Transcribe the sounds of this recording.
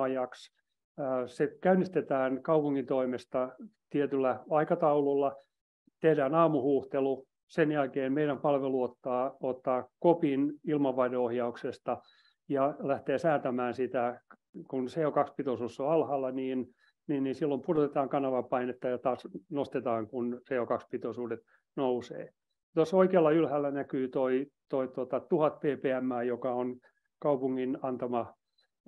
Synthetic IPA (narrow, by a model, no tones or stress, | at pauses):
ɑjɑks | sekæynːist̪et̪æːnkɑupuŋːint̪oimest̪ɑt̪iet̪ylːæɑikɑt̪ɑulolːɑ | t̪ehdæːnɑːmuhuːht̪elu | senjælkeːmmeiɾæmpɑlʋeluot̪ːɑːot̪ːɑːkopinilmɑʋːɑideohjɑuksest̪ɑ | jɑlæht̪eːsæːt̪æmæːnsit̪æ | kunseːokɑkspit̪osuːsːoɑlhɑlːɑniːn | niːnnisilːompurot̪et̪ɑːŋkɑnɑʋɑpɑinet̪ːɑjɑt̪ɑːsnost̪et̪ɑːŋkunseːokɑkspit̪osuːdet̪ | nousḛː | t̪osːoikeːlːɑylhælːænækyːt̪oit̪oit̪ot̪ɑt̪uhɑt̪̚peːpeːæmːæːjokɑon | kɑupuŋːinɑnt̪ɑmɑ